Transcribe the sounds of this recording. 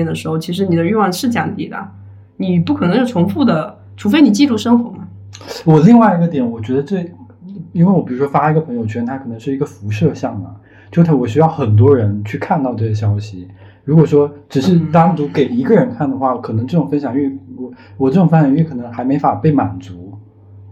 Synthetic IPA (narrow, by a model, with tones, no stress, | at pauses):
ɛ˥˩nd̪ə˩ʂɻ̩˧˥xo˧˩ʊt͡ɕʰi˧˥ʂ̬ɻ̩˧˥ni˨˩d̪ə˦y˥˧wɑ˥˧ŋʂɻ̩˥˩t͡ɕɑ̰˨˩t̪i˥˩d̪ə̰˩ | ni˨˩pu˥˩kʰɤ˨˩nɤ˧˥ŋʂɻ̩˥˩ʈ͡ʂʰʊ˧˥ŋfu˥˩d̪ə˩ | ʈ͡ʂʰu˧˥fe˥ɪni˨˩t͡ɕi˥˧lu˥˩ʂɤ˥ŋxwɔ˧˥mɐ˨˩ | wɔ˨˩li˥˧ŋwa˥˩ɪi˧ɡə˧t̪jɛ˨˩˦nwɔ˨˩t͡ɕɥɛ˧˥d̪ə˧ʈ͡ʂɤ˥˩ | i˥nwe˥˩wɔ˧˩pi˨˩ɻu˧˥ʂwɔ˥fa˥˧i˧˥ɡə˧pʰɤ˧˥ŋjo˧ʊt͡ɕʰə˧nt̪ʰa˥kʰɤ˨˩nɤ˧˥ŋʂɻ̩˥˩i˧˥ɡə˧fu˧˥ʂɤ˥˧ɕjɑ˥˩ŋmɐ̰˩ | t͡ɕjo˥˩t̪ʰa˥wɔ˨˩ɕ̬y˥jɑ˥˩ʊxə˨˩nt̪̬wɔ˥ɻə˧˥nt͡ɕʰy˥˧kʰa˥˧nt̪ɑ˥˧ʊʈ͡ʂɤ˥˩ə˩ɕ̬jɑ˥ʊɕi˨˩ | ɻu˧˥kwɔ˨˩ʂwɔ˥ʈ͡ʂɻ̩˨˩ʂɻ̩˥˩t̪ɑ˥ŋt͡s̪u˧˥ke˨˩ɪi˧˥ɡə˧˨ɻə˧˥nkʰa˥˩nd̪ə˩xwa˥˩kʰɤ˨˩nɤ˧˥ŋʈ͡ʂɤ˥˩ʈ͡ʂʊ˨˩ŋfə˥nɕjɑ˨˩ŋ˥˧wɔ˨˩˦ | wɔ˨˩ʈ͡ʂɤ˥˩ʈ͡ʂŋfə˥nɕjɑ˨˩˧ɥy˥˩kʰɤ˨˩nɤ˧˥ŋxa˧˥ɪme˧˥ɪfa˨˩pe˥˩ɪma̰˨˩nt͡su˧˥